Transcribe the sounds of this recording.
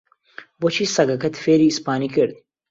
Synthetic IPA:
bot͡ʃʰiːsɐɡɐkɐt̪feːɾiːspaːnikɨɾd̪

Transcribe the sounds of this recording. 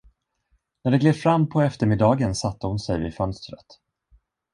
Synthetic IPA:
næɖɛɡleːvfɾamːpʰɔɛft̪əɾmɪd̪ɑːɡənsat̪ːəhʊnsɛjvɪ̰fœnst̪ɾət̪

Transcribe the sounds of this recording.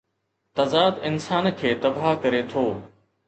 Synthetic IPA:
t̪ɐzaːd̪ɪnsaːnkʰeːt̪ɐbaɦkɐɾet̪ʰoː

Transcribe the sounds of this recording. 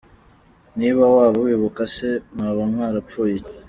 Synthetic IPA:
niːβawaːβowiβukasemaβamŋwaːɾap̪p͡fuːjec

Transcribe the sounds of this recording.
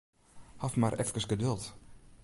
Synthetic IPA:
hafmarʔɛfkəsɡədɵlˠt

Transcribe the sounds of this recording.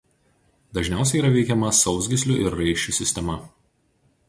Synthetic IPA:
d̪ɐʒʲnʲæˑʊsʲɛɪiːɾɐʋʲɛɪkʲɛmɐsɒʊzʲɡʲɪsʲlʲʊʔɪɾːɐɪʃʲt͡ʃʲusʲɪsʲt̪ʲɛmɐ

